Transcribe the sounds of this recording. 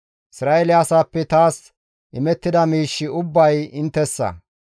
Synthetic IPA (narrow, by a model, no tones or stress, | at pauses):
ʔɪsɾaːʔɛlɪasaːpːɛt̪aːs | ʔɪmɛt̪ːɪd̪ɐmiːʃːɪʊbːɐjɪnt̪ːɛsːɐ̰